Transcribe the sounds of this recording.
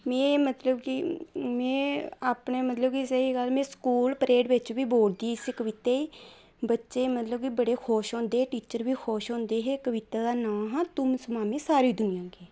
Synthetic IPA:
mɛ̃ːmət̪ləbkimɛ̃ːaːpɳeːmət̪ləbkisəiːɡəlmɛ̃ːskuːlpəɾeːɖʋɪt͡ʃʋiːboːɽd̪iːsɪkəʋɪt̪eːiː | bətːʃeːmət̪ləb̚kibəɽeːkʰoːʃõːnd̪eːʈiːt͡ʃəɾʋiːxʰoːʃõːnd̪eːɦeːkəʋɪt̪aːd̪aːnãːɦãːt̪ʊmsmaːmĩːsaːɾiːd̪ʊnɪjãːɡeː

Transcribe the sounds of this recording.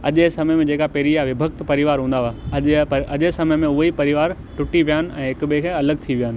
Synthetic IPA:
ɐ̰ʄsɐməjmẽd͡ʑeːkapɐːɾijaʋɪbʱəkt̪pɐɾɪʋaːɾɦũːnd̪aʋaɐɐʄesɐməjmẽʊɦipɐɾɪʋaːɾ | ʈʊʈiʋijaːnɪ̆ʔɛ̰̃ːɦɪkɓekʰeːɐləɡt̪ʰiʋijaːnɪ̆

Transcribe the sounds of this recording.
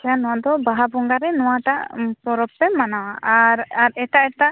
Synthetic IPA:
kɛjanɔ̃w̃aʔd̪ɔbaɦabɔŋɡaɾɛnɔ̃waʈaʔpɔɾɔbːɛmanawaʔaɾaɾɛʈaʔɛʈaʔ

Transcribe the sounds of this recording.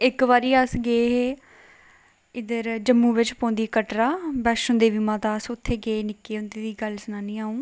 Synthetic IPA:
ɪkʋaːɾiːəsɡeːɦeː | ɪd̪əɾd͡ʒəmːũːʋɪt͡ʃpɔ̃ːnd̪iːkəʈɾaːbɛːʃə̃nd̪eːʋiːmãːt̪ãːsʊt̪ʰːeːɡeːnɪkːeːɦʊ̃nd̪eːd̪iːɡəlsənaːniːaːũː

